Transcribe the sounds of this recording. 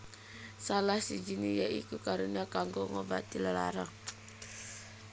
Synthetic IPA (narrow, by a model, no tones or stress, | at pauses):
salahsid͡ʒinijaʔḭkukaɾuniakaŋɡɔŋɔba̰t̪ilala̰ɾaŋ